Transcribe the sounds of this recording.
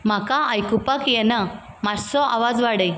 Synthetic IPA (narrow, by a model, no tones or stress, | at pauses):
m̤akaajkupakjɛna | maɾsɔʔa̰ʋad͡zʋaɽəj